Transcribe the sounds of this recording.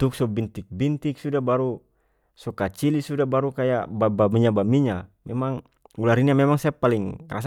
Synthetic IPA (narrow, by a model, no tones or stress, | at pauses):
t̪uk̚sɔbint̪ik̚bint̪iksudabaɾu | sɔkat͡ʃilisudabaɾukajaʔbabamiɲabamiɲamɛmaŋ | ulaɾinamɛmaŋsaapaliŋra̰s